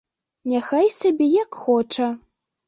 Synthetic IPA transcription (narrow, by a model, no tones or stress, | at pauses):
nʲaxajsʲabʲɛjakxɔt͡ʂɐ